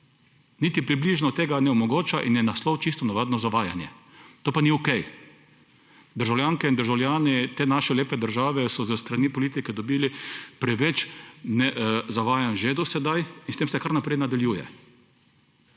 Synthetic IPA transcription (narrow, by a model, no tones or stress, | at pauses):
nit̪ipɾibliʒnɔt̪eːɡanɛɔmɔɡoːt͡ʃaʔinjɛnaslɔwt͡ʃist̪ɔnaʋaːd̪nɔzaʋaːja̰njɛ | t̪oːpaniɔkɛj | d̪əɾʒawljaːŋkɛind̪əɾʒawljaːnɛt̪eːnaːʃɛleːpɛd̪əɾʒaːʋɛsɔzəst̪ɾanipɔliːt̪ikɛd̪ɔbiːlipɾɛʋɛt͡ʃnɛzaʋaːjanʒeːd̪ɔsɛd̪ajinst̪eːmsɛkaɾnapɾɛjnad̪aljuːjɛ̰